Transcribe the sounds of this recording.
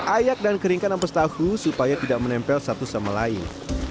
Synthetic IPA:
ʔajak̚dankəɾiŋkanampast̪ahusupajat̪idaʔmənɛmpɛlsat̪usamalaɪ̰n

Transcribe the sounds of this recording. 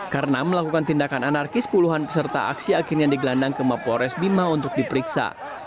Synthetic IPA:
kaɾənaməlakukant̪indakananarkɪspuluɦanpəsərt̪a̰ʔa̰ksiakɪrɲadiɡəlandaŋkəmapoɾɛsbimaunt̪ʊk̚dipəɾiksa̰

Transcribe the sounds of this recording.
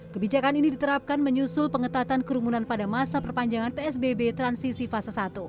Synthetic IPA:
kəbid͡ʒakaninidit̪əɾap̚kanməɲusʊlpəŋət̪at̪ankəɾumunanpadamasapərpaɲd͡ʒaŋanpeɛsbebet̪ɾansisifasasat̪u

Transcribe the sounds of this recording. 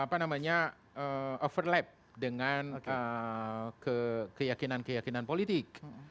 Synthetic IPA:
apanamaɲa | ʔəofərlɛp̚ | dəŋanə | kəkəjakinankəjakinanpolit̪ɪk̚

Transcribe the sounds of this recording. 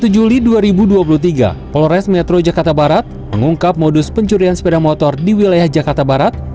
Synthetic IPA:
t̪ud͡ʒuliduaɾibuduap̬uluht̪iɡa̰pɔlɔɾɛsmɛt̪ɾod͡ʒakart̪abaɾat̪̚məŋuŋkap̚modʊspəɲt͡ʃuɾiansə̥pedaŋmɔt̪ɔrdiwilajahd͡ʒakart̪abaɾat̪̚

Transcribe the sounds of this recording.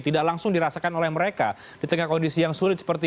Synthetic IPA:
t̪idaklaŋsʊŋdiɾasakanolɛhməɾeka | d̥it̪əŋahkɔndisijaŋsuɾɪt̪sə̥pərt̪i

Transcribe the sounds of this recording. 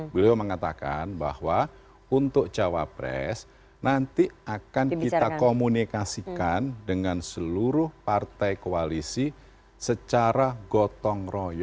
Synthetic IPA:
bəlioməŋat̪aka̰nba̰hwa | unt̪ʊk̚d͡ʒawa̰pɾɛ̰s | nant̪iʔakankit̪akomunikasikandəŋansəluɾʊhpart̪ajkoalisi | sət͡ʃaɾaɡɔt̪ɔŋrɔjɔ

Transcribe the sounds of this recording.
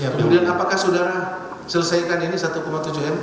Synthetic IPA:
akəmudianapakahsudaɾa | sələsajkaninisat̪ukomat̪ud͡ʒʊɦɛm

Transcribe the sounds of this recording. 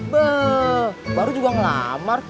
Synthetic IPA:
bə | baɾud͡ʒuɡaŋəla̰mar

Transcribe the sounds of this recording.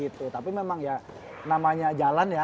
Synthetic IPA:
it̪ut̪apimemaŋja | namaɲad͡ʒalanja

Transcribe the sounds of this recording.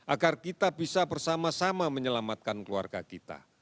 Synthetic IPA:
ʔaɡarkit̪abisabərsamasamaməɲəlamat̪̚kankəlua̰rɡa̰kit̪a̰

